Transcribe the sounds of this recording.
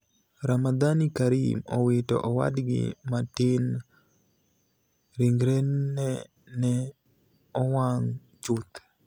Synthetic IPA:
ɾamad̪anikaɾimɔ̰wɪtɔ̰ʔɔwa̰dɡɪ̰matɪn | ɾiŋɡɾeɛ | nɛ | ɔwaŋ | t͡ʃʊt̪

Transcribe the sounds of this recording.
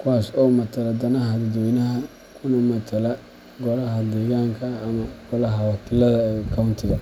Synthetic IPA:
kʰʊwaːsɔːmɐt̪ʰɐlɐd̪ɐnɐɦɐd̪ɐd̪ɔnɐɦɐ | kʰʊnɐmɐt̪ʰɐlɐ | ɡɔlɐɦɐd̪ɛːɣaːŋkʰɐːmɐɡ̥ɔlɐɦɐwɑkʰɪlɐðɐɛkʰawʊnt̪ʰɪɣɐ

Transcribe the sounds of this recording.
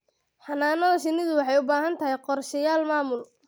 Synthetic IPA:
ħɑnaːnɔðɐʃɪnɪðʊwɑħɑjʊbaːɦɐnt̪ʰɐɦɛjqɔrʃɐjaːlmaːmʊl

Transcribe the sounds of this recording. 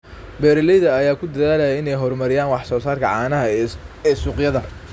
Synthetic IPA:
bɛːɾɪlɛjðɐɐjaːkʰʊd̪ɐðaːlɐjɐɪnɛjɦɔrmɐɾɪjaːnwɑħsɔːsaːrkʰɐʕɑːnɐɦɐɛːsuːqjɐðɐ

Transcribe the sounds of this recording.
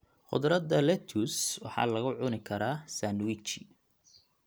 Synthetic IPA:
χʊ̰d̪ɾɐd̪ɐlɛt̪ʰuswɑ̰ħɑ̰ːlɐɣʊʕʊnɪkʰɐɾaːsanwit͡ʃɪ

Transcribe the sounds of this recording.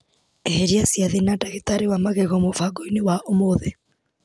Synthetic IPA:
ɛheɾiasjaðenadaɣetaɾewamaɣeɣɔmofaɡoinewaʔomoðe

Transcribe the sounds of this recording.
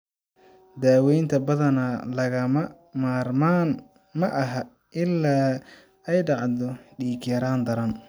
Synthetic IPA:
d̪aːwɛjnt̪ʰɐbɐðɐnalɐɣɐ | maːrmaːn | mɐʔɐɦɐ | ʔɪlːaː | ɛjɖɑʕd̪ɔɖiːkʰjɐɾaːnd̪ɐɾɐn

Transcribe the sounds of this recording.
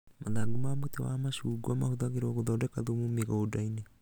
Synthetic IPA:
maðaɡumamutewamaʃuɡuamahuðaɣiɾoːɣuðɔdekaðumumiɣadaine

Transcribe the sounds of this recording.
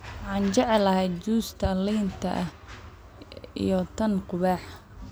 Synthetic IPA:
wɑħɑːnt͡ʃɛʕɛlɐɦɛjd̪t͡ʃuːst̪ʰɐliːnt̪ʰɐ̰ʔɐ | ḭjɔt̪ʰɐnqʊβaːħ

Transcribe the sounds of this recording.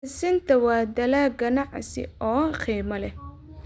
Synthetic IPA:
sɪnt̪ʰɐwɑːd̪ɐlaːɡɐnɑʕsɪ̰ʔɔːχiːmɐlɛ

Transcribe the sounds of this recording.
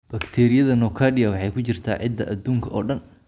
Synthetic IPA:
b̥ɐkt̪ʰɛːɾɪjɐðɐnɔːkʰaːɖɪɐwɑħɑjkʰʊt͡ʃɪrt̪ʰaːʕɪd̪ːɐʔɐd̪uːŋkʰɐʔɔːɖɐn

